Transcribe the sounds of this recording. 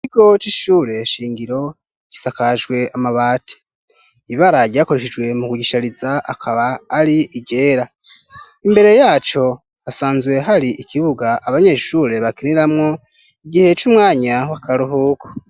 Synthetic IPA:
ikiɡ̥o̞t͡ʃiʃuːɾe̞ʃiːŋɡiɾo̞ | ɟ̥isakaʒɡwe̞amaβaːtʰi̥ | iβaɾaɟɟaːko̞ɾe̞ʃid͡ʒɡwe̞mukuɟiʃaɾizaakʰaβaːɾiʔiɡe̞ːɾa | imbe̞ɾe̞jaːt͡ʃo̞ | asaːnzɡwe̞ɦaɾiikʰiβuɡaːβaɲe̞ʃuːɾe̞βakiniɾamŋo | iɡihe̞t͡ʃumŋaːɲawakaɾuɦuːkʰo̥

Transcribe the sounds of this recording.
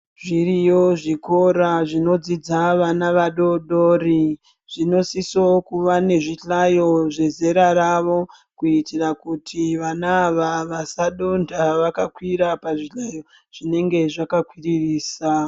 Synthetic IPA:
ʐiɾijoʐiko̞ɾaʐino̞d͡zid͡zaʋanaʋaɗo̞ɗori | ʐ̥ino̞sisokuʋane̞ʐiɬajo̞ʐe̞ze̞ɾaɾaʋo̞ | kuitirakutʰiʋanaːʋaʋasaɗo̞ndaʋakakwiɾapaʐiɬajo̞ | ʐ̥ine̞ŋɡe̞ʐakakwiririːsa

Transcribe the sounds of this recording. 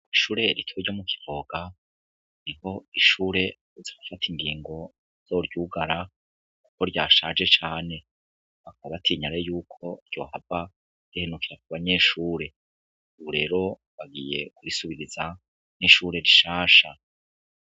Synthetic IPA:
iʃuːɾe̞ɾitʰoɾɟo̞muki̥v̥o̞ɡ̥a | niho̞iʃuːɾe̞ | z̥aufatʰiŋɡiːŋɡo̞ | z̥oɾɟuːɡaɾa | ku̥ko̞ɾɟaːʃaːd͡ʒe̞t͡ʃaːne̞ | βakaβaβatʰiɲaɾejuːkʰo̞ɾɟo̞̰ːhava | ɾ̥ihe̞nukiɾak̚uβaɲe̞ʃuːɾe̞ | uβuɾe̞ːɾo̞ | βaɡije̞kuɾisuβiɾiza | niʃuːɾe̞ɾiʃaːʃa

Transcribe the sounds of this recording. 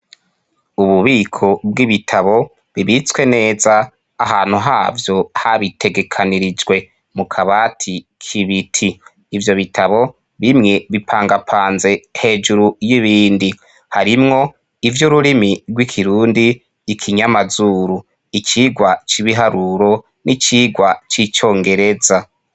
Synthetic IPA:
uβuβiːkʰo̞b̚ɡiβitʰaβo̞ | βiβit͡swe̞ne̞ːzaː | ɦaːn̥huɦaːvjo̞haβitʰe̞ɡe̞kʰaniɾid͡ʒɡwe̞ | mukʰaβaːtʰikʰiβitʰiː | vjo̞βitʰaβo̞ | βimŋe̞βipʰaːŋɡapʰaːnze̞he̞ːd͡ʒuɾujiβiːndi | haɾimŋo̞ | ivjuɾuɾimiɾɡwikʰiɾuːndiː | kʰiɲamazuːɾu | it͡ʃiːɡwat͡ʃiβiɦaɾuɾo̞ | nit͡ʃiːɡwat͡ʃit͡ʃo̞ːŋɡe̞ɾe̞za

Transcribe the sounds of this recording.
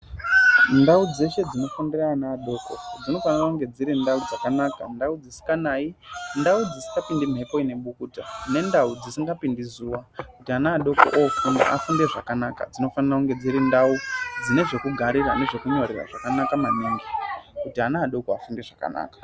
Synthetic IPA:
ndaud͡ze̞ʃe̞d͡zino̞fundiraːnaːɗoko̰d͡zino̞fanirakuŋɡe̞d͡ziɾindaud͡zakanaːka̰ndaud͡zisi̥kɡanaːindaud͡zisi̥ŋɡapindim̤ʱepo̞ine̞ɓukuːta̰ne̞ndaud͡zisiŋɡapindizuwakutianaːɗo̞ko̰ʔofunda̰ʔa̰funde̞ʐakanaka̰d͡zino̞fanirakuŋɡe̞d͡ziɾindaud͡zine̞ʐe̞kuɡʱaɾira̰ne̞ʐe̞kuɲo̞rira̰ʐakanakamaniːŋɡikutianaːɗokoafunde̞ʐaka̰na̰ːkḁ

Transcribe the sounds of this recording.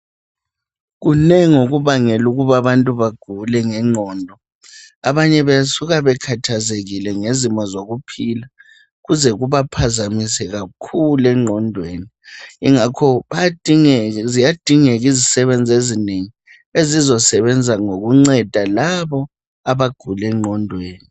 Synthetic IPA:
ɣunɛŋoɣuβaŋɛluɣuβaβantʼuβaɡ̥ʱulɛŋɛŋ͡ǀʱɔːndʱɔ | aβaɲɛβajasuɣaβɛkʰatʰazeɣilɛŋezimɔzoɣupʰila | ɣuzɛɣuβapʰazamisɛɣakʰulɛŋ͡ǃʱɔndʱweːni | iŋakʰɔa | zijad̥ʱiŋɛɣizisɛβɛnd͡zʱezineŋi | ezizɔsɛβɛnd͡zʱaŋoɣuŋ͡ǀɛd̥ʱalaβɔ | aβaɡ̥ʱulɛŋ͡ǃʱɔndʱweːni

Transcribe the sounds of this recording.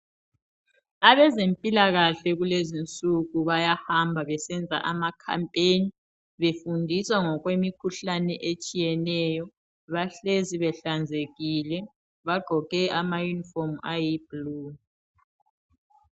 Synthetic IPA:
aβɛzempʼilaɣaɬɛɣulezint͡sʼuɣuβajahambʱaβɛsɛnd͡zʱa̰ʔamakʰa̰mpʼeni | βefundʱiswaŋɔɣwemikʰuɬanɛʔet͡ʃʼijɛnɛjɔ | βaɬeziβɛɬand͡zʱeɣilɛ | βaɡ͡ǃʱɔɣɛʔamajunifɔmajibluː

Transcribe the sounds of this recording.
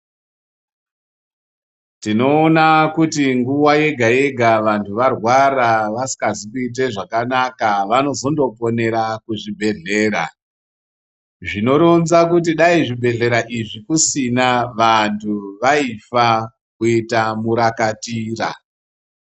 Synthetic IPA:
tino̞ːnakutiŋɡuwaje̞ɡʱae̞ɡʱaʋantuʋarwaɾaʋasi̥kazikuit̬e̞ʐakanakaʋano̞zo̞ndo̞po̞ne̞ɾakuʐibʱe̞ɮe̞ːɾa̰ | ʐino̞ɾo̞nzakut̬iɗaiʐibʱe̞ɮe̞ɾaʔiʐikusinaʋantʰuʋaifa | kuitamuɾakatiːra̰

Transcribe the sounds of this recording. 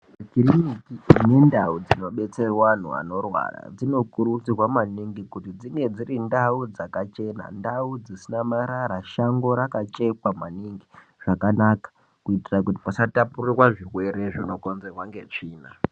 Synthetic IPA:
makirinikiine̞ndaud͡zino̞ɓe̞t͡se̞rwan̤ṵa̰no̞rwa̰ra̰d͡zino̞kuɾut͡sirwamaniŋɡikutid͡zine̞d͡zirindaud͡zakat͡ʃe̞na̰ndaud͡zisinamaɾaɾaʃaŋɡo̞ɾakat͡ʃe̞kwamaniŋɡi | ʐ̥akanakḁ | kuitirakuti̥pasatapurirwaʐirwe̞ɾe̞ʐino̞ko̞nze̞rwaŋɡe̞t͡ʂiːna

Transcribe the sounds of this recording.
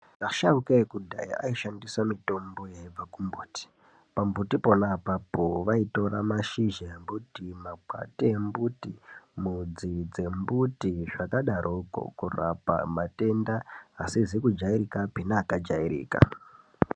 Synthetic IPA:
kaʃaukekudʱa̰iʔaiʃandiswamito̞mbo̞jab͡vakumbuːti̥ | pambutipo̞napapoʋaito̞ɾamaʃiʒajembutimaɡ͡bʱa̰tiembutimud͡zid͡ze̞mbutiʐakaɗaɾʔoko̰kura̰pa̰mate̞ndaasizikud͡ʒaiɾikapinaːkad͡ʒaiɾḭːka̰

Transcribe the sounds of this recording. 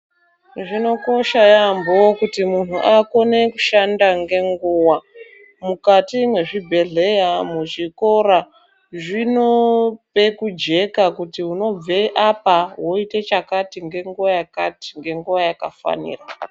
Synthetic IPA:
ʐino̞ko̞ʃajambowokutimun̤uʔako̞ne̞kuʃandaŋɡe̞ŋɡuwa | mukatimweʐibʱe̞ɮe̞jamuʐiko̞ɾa | ʐino̞pe̞kud͡ʒe̞kakutiuno̞b͡veʔapawo̞ite̞t͡ʃakatiŋɡe̞ŋɡuʋajaka̰ti̥ŋɡe̞ŋɡuʋajakafa̰nḭra

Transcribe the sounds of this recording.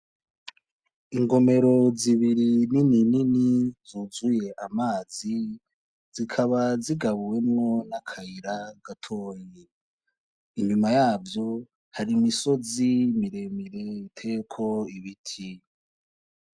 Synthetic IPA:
iŋɡo̞me̞ɾo̞ziβiɾininininizuzuje̞ʔamaːzi | zikʰaβaziɡaβuwe̞mŋo̞nakʰaiɾaɡ̥atʰo̞ːje | iɲumajaːvjo̞ | haɾimiso̞zimiɾe̞miɾe̞itʰe̞kʰo̞iβitʰi

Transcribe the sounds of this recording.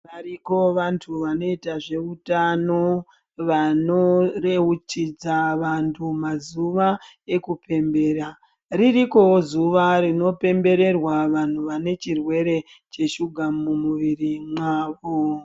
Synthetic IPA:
ʋaɾiko̞ʋantʰuʋano̞itaʐe̞utano̞ | ʋano̞re̞ut͡ʃid͡zaʋantʰumazuʋa | e̞kupe̞mbe̞ːɾa | ririko̞wozuʋaɾino̞pe̞mbe̞ɾe̞rwaʋan̤uʋane̞t͡ʃirwe̞ɾe̞ | t͡ʃe̞ʃuɡʱamumuʋirimaːʋo

